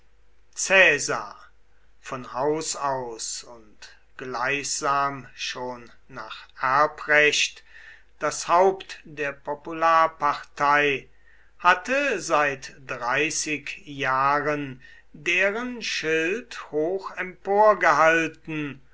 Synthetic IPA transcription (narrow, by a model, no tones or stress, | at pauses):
t͡sɛːza̰ | fɔnhaʊsaʊsʊnt | ɡ̥laɪçz̥aːmʃoːnː | aːχʔæɐpʁɛɕt | d̥ashaʊptdeːɐpɔpulaːɐpaʁtaɪ | hatəzaɪtd̥ʁaɪsɪkjaːʁən | deːʁənʃɪlthoːxɛmpoːɐɡəɦaltn̩